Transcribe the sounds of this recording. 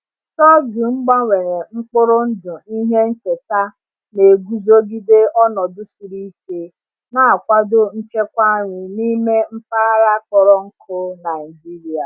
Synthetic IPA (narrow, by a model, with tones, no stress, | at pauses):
sɔ˦ɡi˨ŋ͡m̩˦ɡ͡ba˦ŋʷe˨ɾe˨ŋ͡m̩˦k͡pʊ˦ɾʊ˦n̩˦dʊ˨i˦ɦe˦n̩˦t͡ʃe˨ta˦ | ne˨ɡu˦zo˦ɡi˦de˦ɔ˦nɔ˨dʊ˦si˨ɾi˦ke˦ | na˦a˨kʷa˦dʊ˦n̩˦t͡ʃe˦kʷa˦ɲi˨ni˦me˦m̩˦fa˦a˦ɾa˦kɔ˦ɾɔ˦ŋ̩˦kʰʊ˦na˨i˨d͡ʒi˦ɾi˨a˨